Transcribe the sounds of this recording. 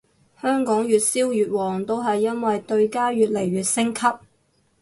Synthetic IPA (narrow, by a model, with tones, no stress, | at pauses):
hœː˥ŋkɔː˨˥ŋjyː˨t̚siː˥wjyː˨t̚wɔː˨˩ŋt̪o˥wɦɐ˨jːɐ˥nwɐ˨jt̪ɵ˧ɥkaː˥ɥyː˨t̚le˨˩jɥyː˨t̚sɪ˥ŋkʰɐ˥p̚